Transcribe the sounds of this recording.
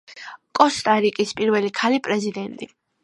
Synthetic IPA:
kʼɔst̪ʼaɾikʼispʼiɾvɛlikʰalipʼɾɛzid̪ɛnt̪ʼi

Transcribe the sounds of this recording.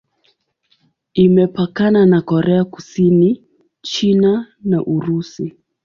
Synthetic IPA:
imɛpakananakɔɾɛakusini | t͡ʃina | naʔuɾusi

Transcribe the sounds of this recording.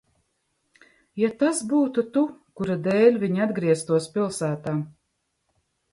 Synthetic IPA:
jat̪asbuːt̪ut̪ukuɾad̪ɛːlʲvʲiɲiad̪ɡɾiɛst̪uɔspʲilˠsæːt̪aːm

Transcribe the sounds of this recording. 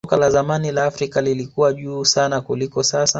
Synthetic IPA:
kalazamanilaːfɾikalilikuwaʄuːsanakulikɔsasa

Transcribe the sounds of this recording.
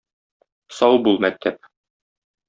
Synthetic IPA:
sɒwbulˠmæk̚t̪ʰæp̚

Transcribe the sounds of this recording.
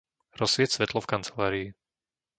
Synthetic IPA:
ɾɔsʋɪɛsʋɛt̪lɔfkant͡sɛ̥laːɾiː

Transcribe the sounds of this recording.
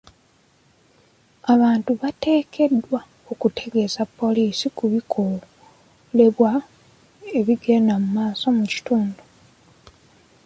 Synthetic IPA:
aβaːntuβate̞ːkʰe̞dːwa | okutʰe̞ɡe̞zapːo̞liːsikuβikʰo | le̞βwa | e̞βiɡe̞ːndamumaːso̞muci̥tuːndu

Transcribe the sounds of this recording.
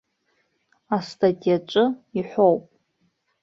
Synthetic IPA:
astʰʼatʼijat͡ʃʷʼɨiħʷowpʼ

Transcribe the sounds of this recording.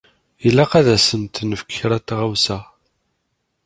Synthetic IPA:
ilːæqæðæsənt̪nəfəkːɾæt̪ʁawsæ

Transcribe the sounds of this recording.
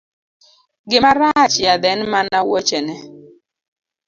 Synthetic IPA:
ɡɪmaɾat͡ʃjad̪ɛnmanawɔt͡ʃɛnɛ

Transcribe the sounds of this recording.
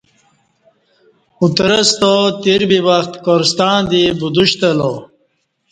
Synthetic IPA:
ut̪ɾəst̪ot̪iɾbiwaxt̪koɾst̪ɑːnd̪ibud̪uɕt̪əlo

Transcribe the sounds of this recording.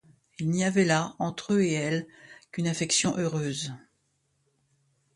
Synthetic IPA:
ilniavɛlaɑ̃t̪χøeɛlkʲynafɛksjɔ̃ʔøʁøːz

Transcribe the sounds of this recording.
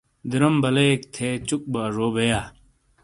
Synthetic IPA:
d̪iɾɐmbɐlekt̪ʰeːt͡ɕuk̚baʐoːbejaː

